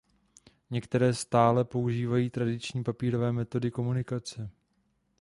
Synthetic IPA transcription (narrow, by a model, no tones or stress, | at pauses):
ɲɛkt̪ɛɾɛːst̪aːlɛpo̞uʒiːvajiːt̪ɾadɪt͡ʃɲiːpapiːɾo̞vɛːmɛt̪o̞dɪko̞munɪkat͡sɛ